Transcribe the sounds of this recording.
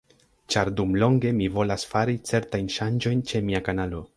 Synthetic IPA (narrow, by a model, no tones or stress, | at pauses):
t͡ʃaɾdumlo̞ŋɡe̞mivo̞lasfaɾit͡se̞ɾtajnʃand͡ʒo̞jnt͡ʃe̞miakanalo̞